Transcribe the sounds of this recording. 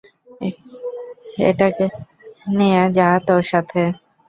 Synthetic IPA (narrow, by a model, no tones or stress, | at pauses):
ḛʈake | nejad͡ʑaɦt̪oʃat̪ʰe